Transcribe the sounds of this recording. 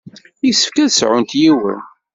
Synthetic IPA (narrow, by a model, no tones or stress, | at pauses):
jisə̥fkæðsʕʊnt̪jiwə̰n